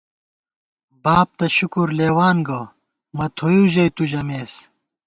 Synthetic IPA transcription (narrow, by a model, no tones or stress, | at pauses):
baːb̚t̪ɐɕukuɾleːwaːnɡɐ | mɐt̪ʰojuʑɐjt̪ud͡ʑɐmeːs